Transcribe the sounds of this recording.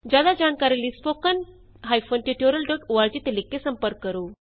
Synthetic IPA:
d͡ʑad̪ad͡ʑankaɾilispokən | ɦajfonʈuʈjoɾəlɖoʈuʋaɾd͡ʑit̪elikːesəmpəɾkːəɾo

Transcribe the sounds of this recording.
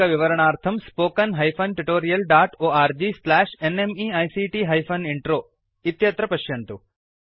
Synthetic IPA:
ɐʋɪʋɐɾəɳ̃aːɾt̪ʰɐmspoːkɐnɦɐjpʰɐnʈuʈoːɾijɐlɖaːʈoːaːɾd͡ʒislɛːʃenemiaːjsiʈiːɦɐjpʰɐniɳʈɾoː | it̪jɐt̪ɾɐpɐʃjɐnt̪u

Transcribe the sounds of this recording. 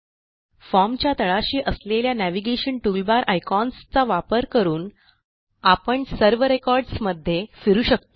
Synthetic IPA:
fɔɾmt͡ɕjat̪əɭaɕiːʔəsleljanæʋiɡeɕəɳʈulbaɾʔajkɔnst͡saʋapəɾkəɾuːn | apəɳsəɾʋɾekɔɾɖsməd̪ʱːjefiɾuːɕək̚t̪o

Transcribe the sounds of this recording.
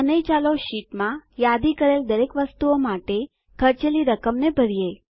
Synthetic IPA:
ənəjt͡ʃaloʃiʈmãjad̪ikəɾeld̪əɾekʋəst̪uomaʈe | kʰəɾt͡ʃeliɾəkəmnebʱəɾije

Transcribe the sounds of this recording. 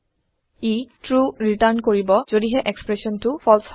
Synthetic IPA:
etɹuɹitaɹnkoɹibɔz̥odiɦɛʔɛkspɹɛsɔntʊfʰɔls

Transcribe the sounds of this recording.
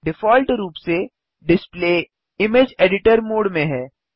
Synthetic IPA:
ɖɪfɔːlʈɾuːpse | ɖɪspleː | ɪmeːd͡ʒeːɖɪʈəɾmoːɽmẽɦɛː

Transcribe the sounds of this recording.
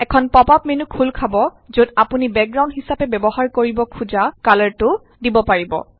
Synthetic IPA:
ɛkʰɔnpɔpapmenukʰulkʰabɔ | zodapunibɛk̚ɡɹaw̃ndɦisapɛbɛbɔɦaɹkoɹibɔkʰuzakalaɹtʊ | dibɔpaɹibɔ̰

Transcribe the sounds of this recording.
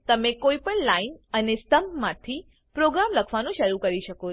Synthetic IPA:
t̪əmẽkoipəɳlainənest̪əmpmãt̪ʰi | pɾoɡɾamləkʰʋanũʃəɾukəɾiʃəko

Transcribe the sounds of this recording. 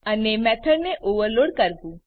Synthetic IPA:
ənemɛt̪ʰəɽneʔoʋəɾloɽkəɾbũ

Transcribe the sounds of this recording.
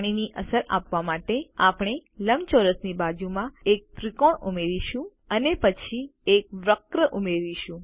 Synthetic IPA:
ɽ̃iniʔəsəɾʔa̰pʋamaʈeapɽ̃eləmt͡ʃoɾəsnibad͡ʒumãek̚t̪ɾikoɳumeɾiʃũ | ənepət͡ʃʰiek̚ʋɾəkɾəʔumeɾiʃũ

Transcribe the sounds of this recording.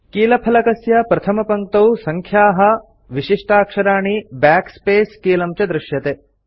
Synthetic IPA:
kiːlɐpʰɐlɐkɐsjɐpɾɐt̪ʰɐmɐpɐŋk̚t̪ɐwsɐŋkʰjaːɦɐ̆ | ʋiʃiʂʈaːkʂɐɾaːɳibaːkspeːskiːlɐmt͡ʃɐd̪ɾɪʃjɐt̪e

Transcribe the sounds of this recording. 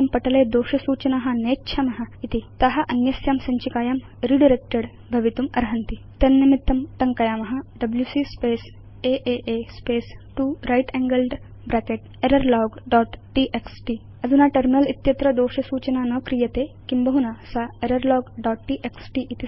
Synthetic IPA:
ɐmpɐʈɐleːd̪oːʃɐsuːt͡ʃɐnaːɦɐ̆neːtːʃʰaːmɐɦɐ̆it̪it̪ɐɦɐ̆ʔɐnjɐsjaːmsɐɲt͡ʃikaːjaːm | ɾiɖiɾek̚ʈɐɽ | bʱɐʋit̪umɐ̰ɾɦɐnt̪it̪ɐnnɐmit̪ːɐmt̪ɐŋkɐjaːmɐɦɐ̆ɖɐbljuːsiːspeːs | eːʔeːʔeːspeːsʈuːɾɐjʈɛːŋɡɐlɖ | bɾaːkeʈ̚ | eɾɐɾlɔːɡɖɔːʈʈiːʔeksʈi | ɐd̪unaːʈɐɾminɐlit̪jɐt̪ɾɐd̪oːʃɐsuːt͡ʃɐnaːnoːkɾijɐt̪eːkimbɐɦunaːsaeɾɐɾlɔːɡɖɔːʈʈiːʔeksʈiːʔit̪i

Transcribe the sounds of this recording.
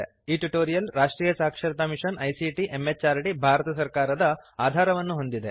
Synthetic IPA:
iːʈuʈoːɾijɐlɾaːʂʈɾiːjɐsaːkʂɐɾt̪amiʂɐnɐjsiʈiʔemːet͡ʃaːɾʈibʱaːɾɐt̪ɐsɐɾkaːɾɐd̪ɐaːd̪ʱaːɾɐʋɐnːuɦo̞nd̪id̪e

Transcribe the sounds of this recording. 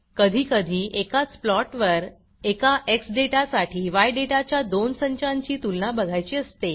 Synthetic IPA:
kəd̪ʱiːkəd̪ʱiːʔekat͡splɔʈʋəɾ | ekaʔeksɖeʈasaʈʰiːʋajɖeʈat͡ɕjad̪onsəɲt͡ɕãɲt͡ɕiːt̪ulnabəɡʱajt͡ɕiːəst̪e

